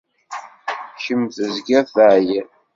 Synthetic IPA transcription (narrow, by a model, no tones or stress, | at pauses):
ʃəmθəzɡæθəʕji